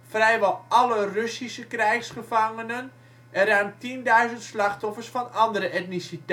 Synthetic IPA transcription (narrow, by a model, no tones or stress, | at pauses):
frɛjʋɔlˠɑlərøsisəkrɛjxsχəfaŋənən | ɛrœːmtindœɥzəntslaxtɔfərsfɔnɑndəɾəʔɛtnisit